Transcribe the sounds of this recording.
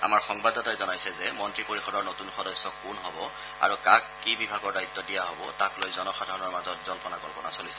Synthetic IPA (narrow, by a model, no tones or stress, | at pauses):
a̰maɹxɔŋbadɔtajzɔnajsɛzɛmɔntɹipoɹixɔdɔɹnotunxɔdɔsːɔkːunɦɔbɔ | a̰ɹukakːibibʱaɡɔɹdait̪ːɔdijaɦobɔ̰taklojzɔnɔxadʱaɹɔnɔɹmazɔtzɔlpɔnakɔlpɔnasolisɛ̥